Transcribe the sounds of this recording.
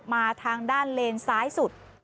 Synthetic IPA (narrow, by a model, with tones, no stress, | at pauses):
p̚maː˧t̪ʰaː˧ŋdaː˥˩nleː˧nsaː˦˥jsu˨˩t̪̚